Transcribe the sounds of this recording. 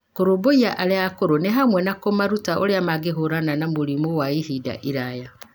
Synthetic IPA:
koɾoboiaʔaɾeakoɾoneɦamwɛnakomaɾutaʔo̰ɾeamaɡeɦoɾananamoɾimowaihida̰ʔiɾaja

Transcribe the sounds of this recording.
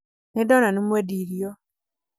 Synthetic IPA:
nedonanimweːdiɾijo

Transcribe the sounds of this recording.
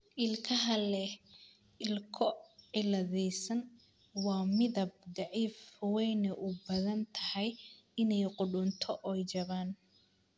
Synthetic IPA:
ʔɪlkʰɐɦɐlɛh | ɪlkʰɔʕɪlɐðɛjsɐn | wɑːmɪðɐb̚d̪ɑʕiːfwɛjnɛʔʊbɐðɐnt̪ʰɐhɛj | ɪnɛjqʊɖʊnt̪ʰɔʔɔjt͡ʃɐβaːn

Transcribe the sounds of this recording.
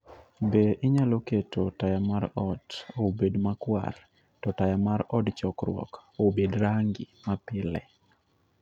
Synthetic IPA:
beʔɪɲaloketotajamaɾɔdobedmakwa̰r | tɔtajamaɾɔdt͡ʃɔkɾwɔ̰kobedɾaŋɡɪmapɪlɛ̰

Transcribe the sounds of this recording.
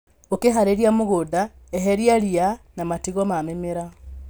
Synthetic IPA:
okeɦaɾeɾiamoɣoðaɛɦɛɾiaɾianamatiɣɔmamemeɾa

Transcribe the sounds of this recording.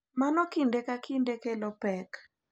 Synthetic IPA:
manɔkindekakindekelɔpɛk

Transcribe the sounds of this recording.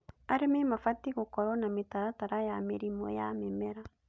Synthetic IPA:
aɾememafatiɣokɔɾɔnamitaɾataɾajamiɾimɔ̰jamɛmɛɾa

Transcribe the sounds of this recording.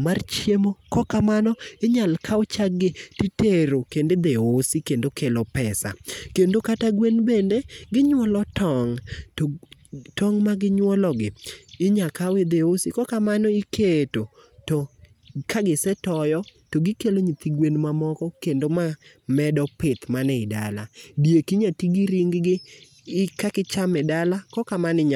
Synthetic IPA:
mart͡ʃjemokɔkamanɔɪɲalkʰaɔt͡ʃaɡɪtiteɾokended̪eosikendokelɔpɛsa̰kendokataɡwenbendeɡɪɲwɔlɔtʰɔŋto | tɔŋmaɡɪɲwɔlɔɡɪɪɲakawed̪eosikɔkamanɔikʰeto | tɔ | kʰaɡɪsɛtɔjɔ | toɡɪkeloɲit̪iɡwenmamɔkɔkendoma | mɛdɔpɪt̪manɛɪda̰ladjekiɲatiɡiɾiŋɡɡɪ | ɪkakɪt͡ʃamɛdalakɔkamanɪɲa

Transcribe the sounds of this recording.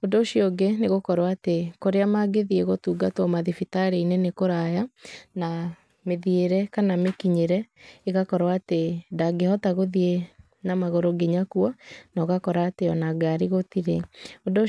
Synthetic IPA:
ondoʃiɔɡeneɣokɔɾwatekoɾeamaɡeðieɣotuːɡatɔmaðifitaɾeinɛnekoɾajana | meðieɾɛkanamekiɲeɾɛeɣakɔɾwaːtedaɡehɔtaɣoðie | namaɣoɾoɡeɲakuɔnɔɣakɔɾaːteɔnaɡaɾiɣotiɾeodo

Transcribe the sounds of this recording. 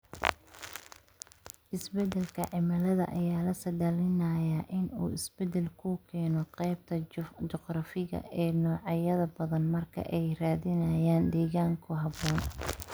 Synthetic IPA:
ʔɪsbɛd̪ɛlkʰɐʕɪmɐlɐðɐ̰ʔɐjaːlɐsɐd̪ɐlɪnɐjɐʔɪnṵːɪsbɛd̪ɛlkʰʊkʰɛːnɔqɛjb̚t̪ʰɐt͡ʃɔqrɑfɪɣɐ̰ʔɛːnɔːʕɑjɐðɐbɐðɐnmɐrkʰɐ̰ʔɛjraːðɪnɐjaːnd̪ɛːɣaːŋkʰʊɦɑbɔːn

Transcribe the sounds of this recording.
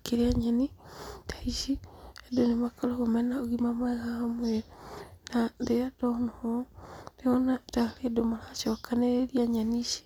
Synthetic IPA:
keɾeaɲanitaiʃiedonemakoloɣomɛnaoɣimamwɛɣahamweɾenandeadɔnɔhodeɔnataledomaɾaʃɔkaneɾeɾiaɲaniʃi̥

